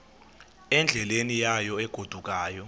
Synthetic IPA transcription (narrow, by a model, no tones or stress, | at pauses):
ɛnd͡ɮʱɛlenijajɔɛɡ̥ʱod̥ʱuk̬ʼaːjɔ